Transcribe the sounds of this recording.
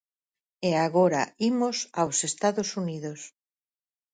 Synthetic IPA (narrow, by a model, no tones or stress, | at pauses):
eaɣoɾa̰imosawsest̪aðosuniðos